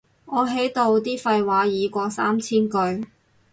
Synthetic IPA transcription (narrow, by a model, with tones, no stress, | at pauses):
ŋɔː˨˧ɦe˨˥jt̪o˧wt̪̬iː˥fɐ˧jwaː˨˧˥jiː˨˧kʷɔː˧sa̰ː˥mt͡sʰiː˥nkɵ˧ɥ